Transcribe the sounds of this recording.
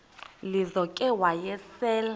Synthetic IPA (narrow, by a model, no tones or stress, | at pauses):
lizɔkʼɛwajɛsɛːla